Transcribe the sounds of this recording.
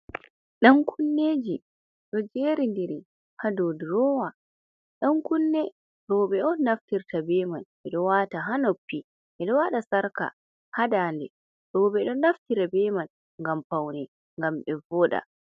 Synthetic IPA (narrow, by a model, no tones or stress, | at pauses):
ɗankʰunːeːd͡ʒi | ɗɔd͡ʒeːɾindɛɾi | hadodɾɔwa | ɗaŋkunːɛ | ɾɔːbɛʔɔːaftiɾtʰabɛmanʔɛɗɔwataɦanopːi | ʔɛɗɔwaɗasaɾka̰ | hadaːndɛ | ɗɔːbɛɗɔnaftiɾabɛman | ŋɡampawnɛ | ŋɡamɓɛvɔɗa̰